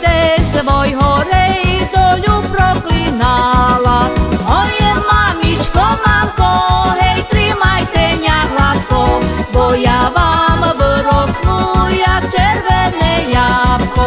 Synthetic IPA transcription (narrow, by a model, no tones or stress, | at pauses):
t̪ɛsʋɔjɦɔɾɛjd̪ɔʎupɾɔklinalaɔjɛmamʲit͡ʃkɔmamkɔɦɛjt̪ɾimajt̪ɛɲaɣlat̪kɔbɔjavamvəɾɔsnujakt͡ʃɛɾvɛnɛjapkɔ